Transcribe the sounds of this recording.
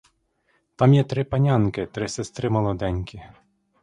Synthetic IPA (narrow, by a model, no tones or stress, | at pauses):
t̪ɑmjɛt̪ɾɪpɐnʲɑnkɪt̪ɾɪsɪst̪ɾɪmɔlˠɔd̪ɛnʲkʲɪ